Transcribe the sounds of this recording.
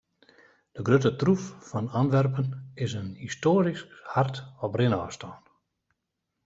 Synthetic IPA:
d̥əɡrøtətruffɔnanʋɛrpənɪsənhistoːɾiskhartɔpbrɪnɔːstɔːn

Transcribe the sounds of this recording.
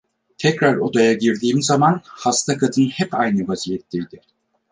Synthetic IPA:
t̪ʰɛcɾaɾo̞d̪ajaɟiɾd̪iːmzamanhast̪ʰakʰad̪ɯnhɛpajnɯvazijɛt̪ʰːejd̪̥ɪ

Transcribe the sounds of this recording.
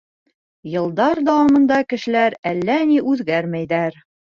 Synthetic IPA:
jɤ̆lˠd̪ɑɾd̪ɑwɑmɤ̆nd̪ɑkɘ̆ʃɘ̆læɾælːæniʔʉðɡæɾmæjðæɾ

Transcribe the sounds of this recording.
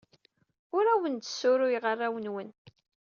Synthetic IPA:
ʊɾæwənt̪sːʊɾʊjʁərˤːawənwən

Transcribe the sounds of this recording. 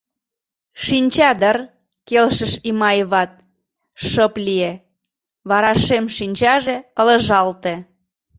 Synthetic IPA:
ʃinʲt͡ɕɑd̪ər | kelʃəʃimɑjβɑt̪̚ | ʃəplie | βɑɾɑʃemʃinʲt͡ɕɑʒekələ̆ʒɑlt̪ĕ

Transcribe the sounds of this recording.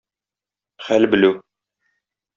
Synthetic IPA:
χælbɘ̆lɘw

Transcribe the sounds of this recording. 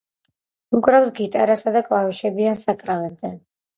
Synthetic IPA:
ukʼɾavsɡit̪ʼaɾasad̪akʼlˠavɛʃɛbiansakʼɾavɛb̚d̪an

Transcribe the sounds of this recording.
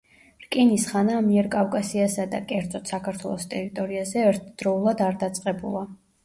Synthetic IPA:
ɾkʼinisχanamiɛɾkʼafkʼasiasad̪a̰kʼɛɾd̪zʼɔt̪ʰsakʰaɾt̪ʰwɛ̰lˠɔst̪ʼɛɾit̪ʼɔɾiazɛɛɾt̪ʰd̪̥ɾɔulˠad̪aɾd̪at̪sʼqʼɛbṵlˠa

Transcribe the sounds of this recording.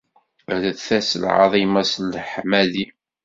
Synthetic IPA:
ðəθæslʕɑ̰ðˤimɑslħmæði

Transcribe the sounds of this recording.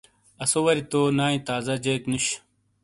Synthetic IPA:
ɐsowɐɾit̪onaːĩt̪aːzɐd͡ʑɐjknuɕ

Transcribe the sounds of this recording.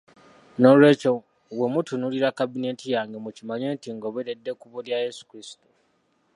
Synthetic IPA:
no̞lwe̞ːt͡ʃo | we̞mutʰunuliɾakabine̞tijaːŋɡemucimaɲe̞ːntiŋɡoβeɾedːe̞kuβoljajesu̥kɾisi̥tu

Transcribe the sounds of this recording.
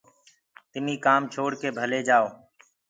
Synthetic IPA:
t̪ɪmĩːkaːmt͡ʃʰoːɽkeːbʱəleːd͡ʒaːoː

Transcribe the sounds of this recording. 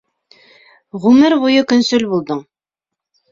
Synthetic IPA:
ʁʉmɘɾbujɤkɵ̆nsʉlbulˠd̪ɤɴ

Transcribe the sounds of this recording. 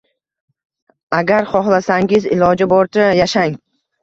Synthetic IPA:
aɡʲaɾχɒχlˠasaŋɪzɪ̰lɒd͡ʒɪbɒɾt̪ʰajaʃaŋ

